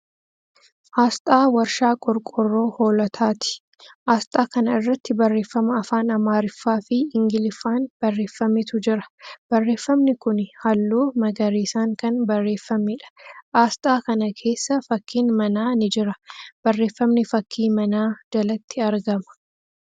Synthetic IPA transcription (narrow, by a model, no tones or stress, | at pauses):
ʔaːst̪ʼaːwɐɾʃaːkʼɔɾkʼɔrːo̞ːho̞ːlɐt̪ʰaːt̪ɪ̥ | ʔaːst̪ʼaːkɐnɐɪrːɐt̪ːɪbɐrːe̞ːfːɐmɐɐfaːnɐmaːɾɪfːaːfɪɪŋɡɪlɪfaːnb̥ɐrːe̞ːfːɐmɪt̪ʊd͡ʒɪɾɐ̥b̥ɐrːe̞ːfːɐmnɪkʊnhɐlːuːmɐɡɐɾiːsaːŋkɐnbɐrːe̞ːfːɐmɪᶑɐ̥ʔaːst̪ʼaːkɐnɐkʰe̞ːsːɐfɐkʰːiːnmɐnaːnɪd͡ʒɪɾɐb̥ɐrːe̞ːfːɐmnɪfɐkʰːiːmɐnaːd͡ʒɐlɐt̪ʰːɪɐɾɡɐmɐ̥